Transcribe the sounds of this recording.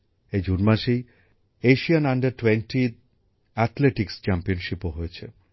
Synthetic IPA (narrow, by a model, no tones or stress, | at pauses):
ed͡ʑunmaʃej | eʃianaɳɖɐɾʈwenʈʰi | ɛt̪ʰleʈikst͡ɕampionʃipoɦojet͡ɕʰḛ